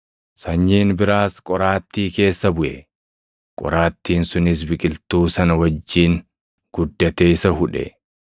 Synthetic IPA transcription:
sɐɲːiːnbɪɾaːskʼɔɾaːt̪ːiːke̞ːsːɐbʊʔɛ̰ | kʼɔ̰ɾaːt̪ːiːnsʊnɪs̬bɪkʼɪlt̪uːsɐnɐwɐd͡ʒːiːŋ | ɡ̥ʊd̪ːɐt̪eːɪsɐɦʊᶑɛ̰

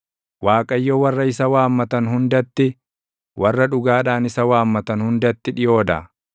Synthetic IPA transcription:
waːkʼɐjːɔwɐrːɐɪsɐwaːmːɐt̪ɐnhʊnd̪ɐt̪ːɪ | wʔɐrːɐᶑʊɡaːᶑaːnɪsɐwaːmːɐt̪ɐnhʊnd̪ɐt̪ːɪᶑɪjo̞ːd̪ɐ̰

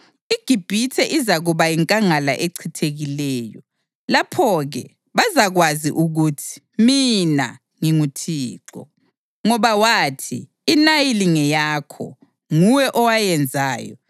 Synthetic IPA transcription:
iɡ̥ʱib̥ʱitʰɛʔizaɣuβajiŋkʼaŋala̰ʔeǀʰitʰeɣilɛːjɔ | lapʰɔɣɛ̰ | βazaɣwazḭʔuɣutʰi̥ | mina̰ | ŋiŋutʰiːǃɔ̰ | ŋɔβawaːtʰḭː | najiliŋɛjaːkʰɔ̰ | ŋuwɛʔɔwajɛnd͡zʱa̰ːjɔ̰

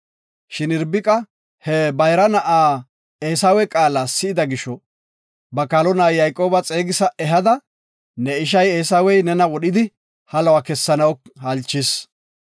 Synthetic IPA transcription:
ʃɪnɪɾbɪkʼɐ | hɛbɐjɾɐnɐʔaː | eːsawɛkʼaːlaːsːɪɪd̪ɐɡɪʃɔ | bɐkalɔnaːjjɐjkʼo̞ːbɐt͡sʼe̞ːɡɪsɐɛɦɐd̪ɐ | nɛɪʃ̬ɐjeːsawɛjnɛnɐwɔɗɪd̪ɪ | hɐlɐwakɛsːɐnɐwhɐlt͡ʃːɪs

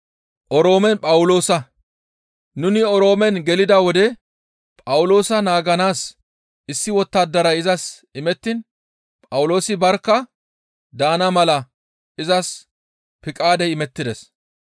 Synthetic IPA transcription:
ʔɔɾo̞ːmɛnpʼɐwʊlo̞ːsɐ | nʊnɪɔɾo̞ːmɛnɡɛlɪd̪ɐwɔd̪ɛ | pʼɐwʊlo̞ːsɐnaːɡɐnaːs | ʔɪsːɪwɔt̪ːaːd̪ːɐɾɐɪzɐs | ɪmɛt̪ːɪn | pʼɐwʊlo̞ːsɪbɐɾkːɐ | d̪aːnɐmɐlɐ | ʔɪzɐs | pɪkʼaːd̪ɛjɪmɛt̪ːɪd̪ɛs

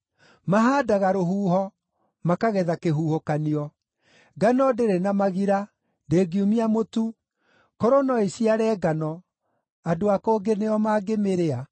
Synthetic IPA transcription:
maɦaːdaɣaɾoɦuːɦɔ | makaɣɛðakeɦuːhokaniɔ | ɡanɔdeɾenamaɣiɾa | ndeːɡiumiamotu | kɔɾonɔesiaɾɛːɡanɔ | adoakoːɡeneɔmaɡemeɾea

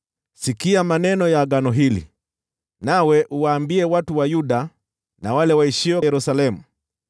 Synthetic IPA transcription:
sikiamanɛnɔjaɡanɔɦilḭ | nawɛʔuwaːmbiɛwatuwajuɗa | nawalɛwaiʃiwɛjɛɾusalɛmu

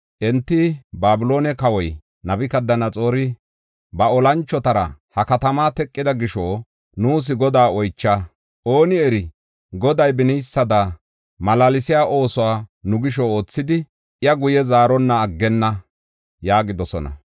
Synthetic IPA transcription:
ʔɛnt̪ːɪbaːbɪlo̞ːnɛkɐwɔj | nɐbɪkɐd̪ːɐnɐt͡sʼo̞ːɾɪ | bɐɔlɐnt͡ʃːɔt̪ɐɾɐ̰hɐkɐt̪ɐmaːt̪ɛkʼːɪd̪ɐɡɪʃoː | nuːs̬ɪɡɔd̪aːɔjt͡ʃːaː | ʔo̞ːnɪɛɾɪ | ɡɔd̪ɐjbɪnɪjsːɐd̪a | mɐlalɪsɪjaːʔo̞ːsʊwaːnʊɡɪʃɔoːt͡sːɪd̪ɪ | ʔɪjɐɡʊjɛzaːɾɔnːɐːɡːɛnːɐ | jaːɡɪd̪ɔsɔ̰nɐ̰

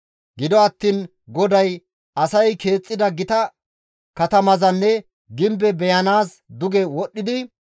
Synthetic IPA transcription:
ɡɪd̪ɔɐt̪ːiːn | ɡɔd̪ɐj | ʔɐsɐjke̞ːt͡sʼːɪd̪ɐɡɪt̪ɐ | kɐt̪ɐmɐzɐnːɛ | ɡɪmbɛbɛjɐnaːs | d̪ʊɡɛwɔɗːɪd̪ɪ

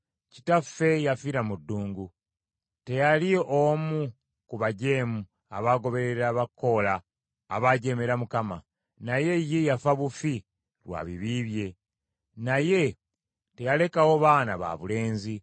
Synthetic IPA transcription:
ci̥tafːe̞jafiɾamudːuːŋɡu | te̞jaliomu | kuβaɟe̞ːmu | a̰βaɡo̞βe̞ɾeɾaβakʰːo̞laː | βaɟe̞ːme̞ɾamukama | naje̞jːejafaβufi | lwa̰ːβiβiːβje̞ | naje̞ | te̞jale̞kawo̞βaːna̰βa̰βule̞ːnzi

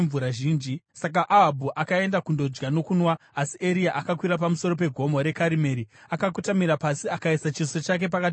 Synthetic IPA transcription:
vuɾaʒiːnd͡ʒisak̬aʔaɦabʱuʔakae̞ndakundo̞d͡ʒɡano̞kunwaːsiʔeɾiaʔakakwiɾap̬amuso̞ro̞p̬e̞ɡʱo̞moɾe̞kaɾime̞ɾiakak̬utamiɾapasiakaisat͡ʃiso̞t͡ʃak̬e̞p̬akat

